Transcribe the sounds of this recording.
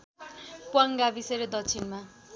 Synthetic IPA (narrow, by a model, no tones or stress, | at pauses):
puaŋɡabiseɾed̪ʌkt͡sʰinma